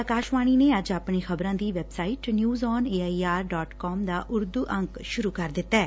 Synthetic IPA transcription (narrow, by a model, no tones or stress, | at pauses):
akaːʃʋaːɽ̃iːneːəd͡ʒaːpɳeːxʰəbɾãːd̪iːʋɛːbsaːiːʈnjuːzɔːneːaːiːaːɾɖɔːʈkɔːmd̪aːʔʊɾd̪uːʔə̃ŋkʃʊɾuːkəɾd̪ɪt̪ːɛː